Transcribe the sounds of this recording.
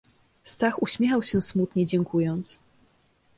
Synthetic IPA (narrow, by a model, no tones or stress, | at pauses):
st̪axuɕmʲjɛxawɕɛsmut̪ɲɛd͡ʑɛŋkʰujɔnt̪s